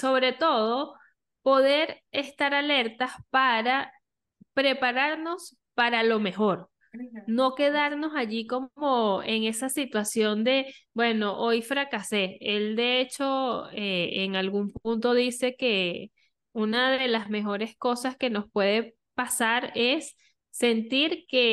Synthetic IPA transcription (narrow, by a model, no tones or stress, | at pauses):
so̞βɾe̞t̪o̞ðo̞ | po̞ðe̞ɾest̪aɾale̞ɾt̪aspaɾa | pɾe̞paɾaɾno̞s | paɾalo̞me̞xo̞ɾ | no̞ke̞ðaɾno̞saʝiko̞mo̞e̞ŋe̞sasit̪wasjo̞nd̪e̞bwe̞no̞ʔo̞jfɾakase̞eld̪e̞et͡ʃo̞eeŋalɣumpunt̪o̞ðise̞ke̞ | unaðe̞lazme̞xo̞ɾe̞sko̞saske̞no̞spwe̞ð̞e̞ | pasaɾe̞sː | e̞nt̪iɾke̞